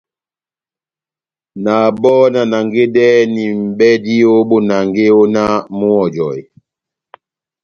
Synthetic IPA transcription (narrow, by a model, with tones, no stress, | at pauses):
na˨bɔ˦na˨na˨ŋɡe˦dɛ˦ni˨m̩˨bɛ˦di˦o˦bo˦na˨ŋɡe˦o˦na˦mu˦ɔ˨d͡ʒɔ˨j